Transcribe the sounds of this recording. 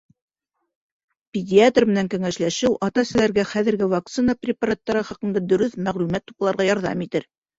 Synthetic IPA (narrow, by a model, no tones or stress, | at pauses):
pʲɪdʲiat̪rmɘ̆næŋkæŋæʃlæʃɘwʔɑt̪ɑsɘ̆læɾɡæχæðɘ̆ɾɡɘvak̚t̪sɨnəprʲɪpaɾat̪ːɑɾɤχɑqɤ̆nd̪ɑd̪ɵ̆ɾɵθmæʁlʉmæt̪ːupɤ̆lˠɑɾʁɑjɑɾðɑ̰mit̪ɘɾ